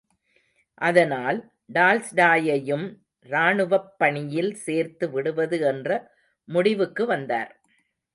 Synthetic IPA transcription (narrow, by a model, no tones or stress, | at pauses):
ʔɐðɐnaːl | ɖaːlsɖaːjɐjɯm | ɾaːɳɯʋɐpːɐɳɪjɪlseːɾt̪ɯʋɪɽɯʋɐðɯɛndrɐ | mʊɽɪʋɯkːɯʋɐnd̪a̰ːɾ